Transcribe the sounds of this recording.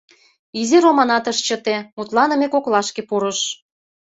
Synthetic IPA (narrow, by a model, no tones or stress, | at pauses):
izeɾomɑnɑt̪əʃt͡ɕə̆t̪emut̪lɑnə̆mekoklɑʃkepuɾə̆ʃ